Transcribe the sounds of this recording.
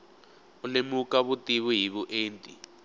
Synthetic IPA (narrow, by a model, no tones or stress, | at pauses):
ulemukaβutʼiβuɦiβuʔeːntʼḭ